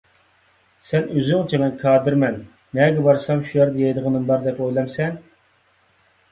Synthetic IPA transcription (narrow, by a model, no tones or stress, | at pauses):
sɛnøzyŋt͡ʃʰimɛnkʰɑːd̪ɨɾmɛnː | ɛɡʲɛbɑɾsɑmʃujæɾd̪ɛjɛjd̪əʁənɨnbɑɾd̪ɛpojlˠɑmsɛn